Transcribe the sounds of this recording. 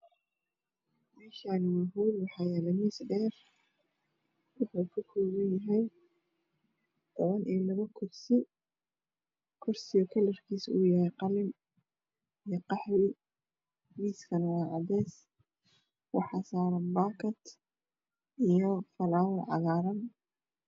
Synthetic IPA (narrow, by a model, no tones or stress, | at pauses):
mɛːʃaːnwʊɦulwɑħɑːjɛːlɛmiːsɖɛːr | wʊħuːkʰʊkʰɔːɣɐnjɐɦɛj | d̪ʰɐβɐnʔilɐβɐkʰʊrsɪ | kʰʊrsɪjɔkʰɐlɐrkʰiːsṵːjɐhɛjqɑlɪm | ijɔqɑħɾɪ | miːskʰɐnɐwɑːʕɑd̪ɛːs | wɑ̰ħɑːsaːɾɐmbaːkʰɐt̪ | ʔijɔfɐlaːwɐlʕɑ̰ɣaːɾɐn